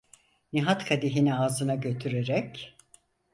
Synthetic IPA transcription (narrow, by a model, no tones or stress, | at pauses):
niɦat̪kʰad̪iɦiniaːzɯnaɟø̞t̪ʰyɾeɾɛc